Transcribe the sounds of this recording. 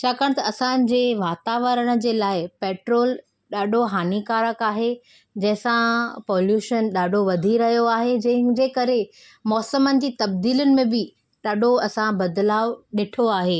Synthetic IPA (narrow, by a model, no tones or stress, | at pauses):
t͡ɕʰaːkaːɽ̃t̪ɐɐsã̆d͡ʑeːʋaːt̪aːʋəɾəɽ̃̆d͡ʑeːlaːɪpeːʈɾoːl | ɗaːɖʱoɦaːnikaːɾəkaːɦe | d͡ʑɐ̃ɦɪ̃sãpɔːljuːʃənɗaːɖʱoʋɐd̪ʱiɾɐɦijoaːɦed͡ʑɐ̃ɦɪ̃d͡ʑeːkɐɾe | mɔːsəmənɪ̆d͡ʑiːt̪ɐbd̪iːlʊnɪ̆mẽbɪ | ɗaːɖʱoɐsãbɐd̪laːʋɗɪʈʰoaːɦeː